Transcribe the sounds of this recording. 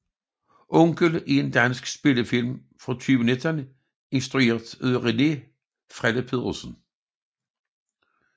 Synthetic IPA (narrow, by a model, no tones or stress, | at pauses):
ʔɔŋɡ̥əliend̥ænsɡ̥sb̥e̝ləfilm | fʁɑ̽t͡sʰyːʋənedʰænə | e̝nsd̥ʁueːɐd̥øðˠʁene̝ | fʁɛd̥əpʰe̝ðˠʁosən̩